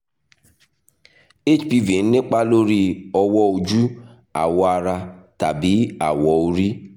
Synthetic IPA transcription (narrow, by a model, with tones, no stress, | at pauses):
e˦˨t͡ʃpi˧ve˨n̩˦ne˦k͡pa˦lo˦ɾi˦ɔ˧wɔ˦o˧d͡ʒu˦ | a̰˨wɔ˧a˧ɾa˧ta˨bi˨˦a˨wɔ˨˦o˧ɾi˦